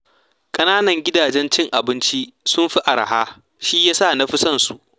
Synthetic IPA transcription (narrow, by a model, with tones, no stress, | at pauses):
kʼɐ˦naː˦nɐ˨ŋɡʲɪ˦daː˨d͡ʒɛ˦nt͡ʃɪ˦ŋʔa˨bɪ˦nt͡ʃi˦sʊ˦mɸi˦ʔa˨ɾa̰˨haː˦ | ʃi˦jaː˦sa˦˨na˦ɸɪ˦sɐ˦nsu˨ʔ